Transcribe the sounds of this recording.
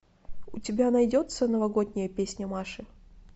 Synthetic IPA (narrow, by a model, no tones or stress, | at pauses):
ʊtʲɪbʲanɐjdʲot̪sənəvɐɡo̞d̪ʲnʲɪjəpʲesʲnʲəmaʂɨ